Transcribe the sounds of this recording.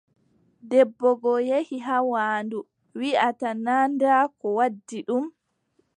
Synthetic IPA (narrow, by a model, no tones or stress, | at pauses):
dɛbːɔɡɔjehiɦawaːndu | wiʔatanandakɔwadːiɗum